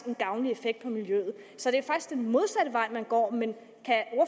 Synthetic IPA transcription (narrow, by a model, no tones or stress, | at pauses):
e̝nɡ̥ɑ̈ʊnie̝feɡ̥̚d̥̚pʰɒ̽miljøð̞̩ˠsɒ̽d̥e̝æfɑ̈ɡ̥i̥sɡ̥d̥enmo̝ð̞ˠsæɾəʋɑ̈ɪ̰mænɡ̥ɒ̰ːmen | kʰæɒɐ